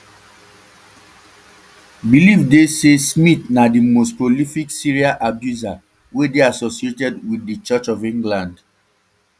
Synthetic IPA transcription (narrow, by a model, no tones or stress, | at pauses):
bilivdesesmitnadimospɹolifiksiɹiaʔabjuza | wedeasosietɛdwiθːit͡ʃət͡ʃɔvĩŋɡlãnd